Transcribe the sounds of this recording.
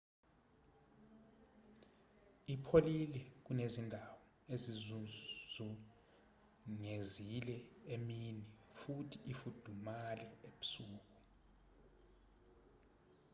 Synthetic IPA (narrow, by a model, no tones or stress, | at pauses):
ipʰolilɛk̬unezindʱawɔ | ezizuzu | ŋezilɛeminifutʰiʔːfud̥ʱumalɛeɓu̥suːk̬u̥